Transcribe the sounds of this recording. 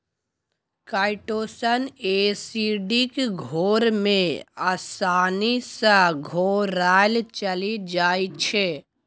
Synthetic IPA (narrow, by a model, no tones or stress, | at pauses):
kaːɪʈoːsəneːsiːɖikɡʱoːɾmẽaːsaːnisəɡʱoːɾaːlt͡ʃəlid͡ʒaːit͡ʃʰeː